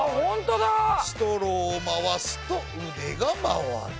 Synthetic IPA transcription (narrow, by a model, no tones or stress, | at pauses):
hõnt̪od̪asi̥t̪oɾoːmaβasɨ̥t̪o | ɯd̪eɡama̰βa̰ɾ